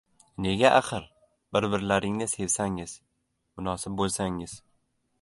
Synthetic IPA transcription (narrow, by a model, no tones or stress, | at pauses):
ne̞ɡʲaʔaqɨɾ | bɪɾbɪɾlaɾɪŋnɪse̞vsaŋɪz̥ | mʊnɒsɪp̚bolˠsaŋɪz̥